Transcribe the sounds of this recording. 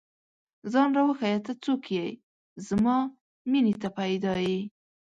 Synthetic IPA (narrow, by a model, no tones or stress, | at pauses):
zɑnɾawəxajat̪at͡sokjej | zmɑ | minit̪apajd̪ɑji